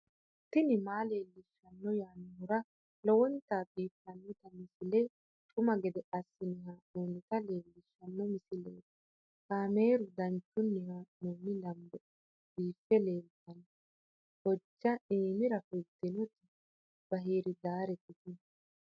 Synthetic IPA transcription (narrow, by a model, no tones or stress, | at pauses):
t̪ːɪnɪmaːle̞ːlːɪʃːɐnːɔjaːnːʊɾɐ | lɔwɔnt̪aːbiːfːɐnːɔt̪ɐmɪsɪlɛ | t͡ʃʼʊmɐɡɛd̪ɛʔɐsːɪnɪɦaːʔoːnɪt̪ɐle̞ːlːɪʃːɐnːɔmɪsɪlḛːt̪ | kaːmeːɾʊd̪ɐnt͡ʃːʊnːɛhanuːmːɪlɐmbɔ | b̥iːfːɛle̞ːlt̪ɐnɔ | hɔd͡ʒːɐiːmɪɾɐfɛt̪ːɪnɔt̪ɪ | b̥ɐɦiːɾɪd̪aːɾɛt̪ːɪt̪ɪn